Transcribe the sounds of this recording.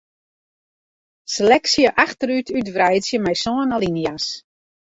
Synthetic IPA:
selɛksjəʔaxtəɾytʰytʋrɛjtsjəmɛjsɔənalˠinjas

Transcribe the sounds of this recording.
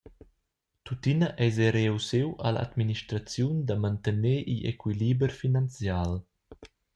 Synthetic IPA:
t̪ut̪inaʔɛjzɛɾewsewa̰laa̰d̪miniʃtɾat͡sjund̪amant̪əneʔiḛkwilibɾfinant͡sjal

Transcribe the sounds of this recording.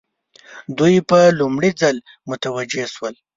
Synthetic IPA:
d̪ujpəlumɽid͡zal | mʊt̪awad͡ʒeʃwəl

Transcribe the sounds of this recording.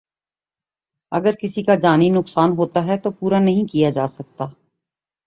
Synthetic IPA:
ɐ̰ɡəɾkɪsikad͡ʒaːninʊksaːnɦoːt̪aɦɛt̪opuːɾanɐɦĩkijad͡ʒaːsɐk̚t̪aː

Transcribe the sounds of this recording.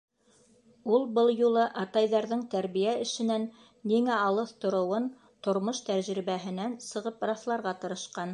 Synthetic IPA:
ulˠbɤlˠjulˠɤʔɑt̪ɑjðɑɾðɤɴt̪æɾβijæɘ̆ʃɘ̆nænː | iŋæɑlˠɤθt̪ŏɾŏwɤn | t̪ŏɾmoʃt̪æɾʒɾiβæɦɘ̆nænsɤ̆ʁɤpɾɑθlˠɑɾʁɑt̪ɤ̆ɾɤ̆ʃqɑn

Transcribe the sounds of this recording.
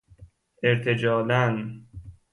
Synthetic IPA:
eɾt̪ʰed͡ʒɒːlæn

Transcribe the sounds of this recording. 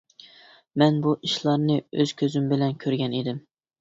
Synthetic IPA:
mɛnbuʔiʃlˠɑɾnɨøz̥kʲʰøzymbɪlɛnkʲʰøɾɡʲɛned̪ɪm

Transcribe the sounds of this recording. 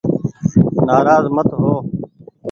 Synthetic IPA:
naːɾaːzmət̪ɦoː

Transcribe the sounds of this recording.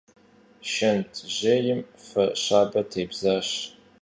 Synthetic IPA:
ʃɐntʰʑeːjɪmfɐɕaːbɐtʰeːbzaːɕ

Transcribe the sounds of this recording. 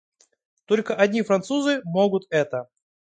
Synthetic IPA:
t̪o̞lʲkəʔɐdʲnʲifɾɐnt̪suzɨmoɡʊt̪ɛt̪ə

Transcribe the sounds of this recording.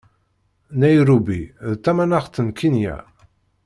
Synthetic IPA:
næjɾubiðt͡s̪ːæmænaʁt͡s̪ːənkʰinjæ̰

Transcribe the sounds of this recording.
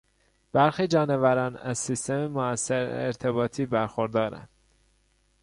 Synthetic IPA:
b̥æɾxiːd͡ʒɒːnevæɾɒːnæ̰zsist̪ememoæsːeɾeɾt̪ʰebɒːt̪ʰiːbæɾxoɾd̪ɒːɾæ̰nd̪̥

